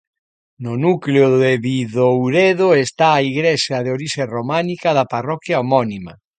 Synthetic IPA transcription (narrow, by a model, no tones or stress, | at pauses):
nʊnukleʊðeβiðowɾeðoest̪aːiɣɾeʃjaðeoɾiʃeromanikaðɐparɔkjaomɔnima